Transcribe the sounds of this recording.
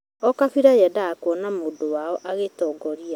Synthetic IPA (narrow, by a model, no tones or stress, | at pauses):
ɔkafiɾajɛdaːkwɔnamoːdowaɔʔaɣetɔːɡɔɾia